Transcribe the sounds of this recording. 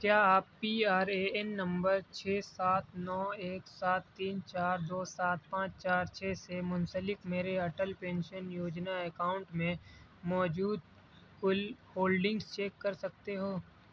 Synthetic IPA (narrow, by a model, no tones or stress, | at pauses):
kjaːaːpːiaːɾeːɛnːɐ̃mbəɾt͡ʃʰeːsaːt̪ʰnɔːeːksaːt̪ːiːnt͡ʃaːɾd̪oːsaːt̪̚pãːt͡ʃt͡ʃaːɾt͡ʃʰeːsemʊnsəlɪkmeːɾeɐʈəlpẽːnʃənjoːd͡ʒnaɛkaːʊ̃ɳʈmẽmɔːd͡ʒuːd̪ | fʊlhoːlɖɪ̃ŋɡst͡ʃeːkːɐɾsɐk̚t̪eɦoː